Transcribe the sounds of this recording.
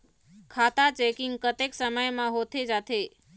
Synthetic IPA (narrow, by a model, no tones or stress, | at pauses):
kʰaːt̪at͡ʃekɪŋɡkət̪eksəməjmãɦoːt̪ʰed͡ʒaːt̪ʰe